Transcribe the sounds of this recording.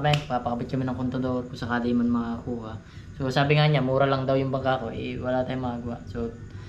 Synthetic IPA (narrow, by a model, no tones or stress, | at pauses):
mɐnpapɐkɐbɪt̪kɐmɪnɐŋkont̪ɐd̪oɾkʊŋsɐkaːlɪmɐnmɐaʔuːhɐ | so̞saːbɪŋaɲamuːɾɐlɐŋd̪awjʊŋbɐŋkako̞ʔɛ̰wɐlaːt̪aːjoŋmɐʔaɡɐwa̰ʔso̞